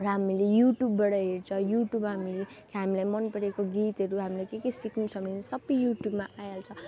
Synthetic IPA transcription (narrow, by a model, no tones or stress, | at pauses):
rʌɦamilejuʈjubːʌɽʌɦeɾt͡sʰʌjuʈjubmɦamilekʰɦamilajmʌnpʌɾekoɡit̪ɦʌɾuɦamilajkekʌjsikʰnut͡sʰʌmninsʌbʌjjuʈjubmaʔajalt͡sʰʌ